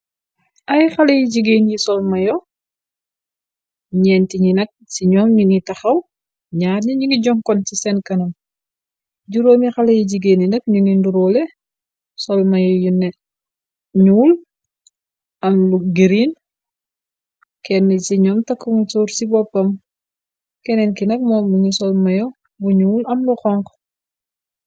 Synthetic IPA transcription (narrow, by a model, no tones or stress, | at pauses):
ʔɐjxɐlejiɟiɡeːnjisɔlmɐjɔ | ɲɛːntiɲinɐk̚siɲɔːmɲunitɐxɐw | ɲaːɾɲiɲiɡiɟɔŋkɔntisɛnkɐnɐm | ɟuɾoːmixɐlejiɟiɡeːnjinɐk̚ɲuninduɾoːlɛ | sɔlmɐjɔjunːɛ | ɲuːl | ɐmluɡiɾiːn | kɛnːɛsiɲɔːmtɐkːuŋituːɾsibɔpːɐm | kɛnɛnkinɐk̚mɔːmbuŋisɔlmɐjɔ | buɲulɐmluxɔŋk